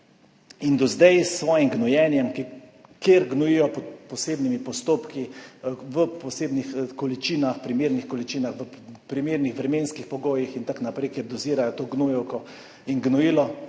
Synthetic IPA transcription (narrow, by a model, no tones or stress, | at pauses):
ind̪ɔzd̪ɛjsːʋɔːjimɡnɔjɛnjɛmkkeɾɡnɔjijɔpɔt̪pɔseːbnimipɔst̪oːpkiʋəpɔseːbnixkɔlit͡ʃiːnaxpɾimeːɾnixkɔlit͡ʃiːnaxʋəpɾimeːɾnixʋɾɛmeːnskixpɔɡoːjixint̪aknapɾɛɪkjeɾd̪ɔziːɾajɔt̪oːɡnujɛwkɔ | inɡnɔjiːlɔ